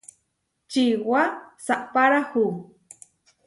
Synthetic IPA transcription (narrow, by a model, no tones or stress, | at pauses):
t͡ʃiwasaʔpaɾahu